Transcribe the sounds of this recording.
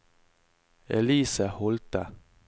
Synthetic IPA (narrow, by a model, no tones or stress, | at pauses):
ɛliːsəhɔlt̪ə